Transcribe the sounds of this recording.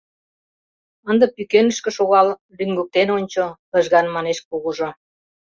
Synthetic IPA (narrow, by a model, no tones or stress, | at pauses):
ənd̪ɤ̆pykenə̆ʃkĕʃoɣɑl | lyŋɡuk̚t̪enonʲt͡ɕoə̆ʒɣɑnmɑneʃkuɣuʒo